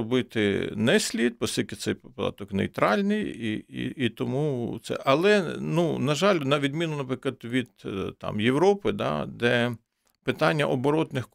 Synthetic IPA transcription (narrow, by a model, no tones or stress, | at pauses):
ɔbɪt̪ɪ̰nɛsʲlʲid̪̚pɔst̪ʲilʲkɪsɛjppd̪ɑ̰t̪ɔknɛ̰jt̪ɾɑlʲnɪjiḭit̪ɔmut̪sɛ̰ʔɐlˠɛnunɐʒɑlʲnɐʋʲid̪mʲinʊnɐpɾɪkˠɐd̪ʋʲid̪̥t̪ɑ̰mjewɾɔpɪd̪ɑ̰d̪ɛ | pɪt̪ɑnʲːɐ̰ʔɔbɔɾɔt̪nɪx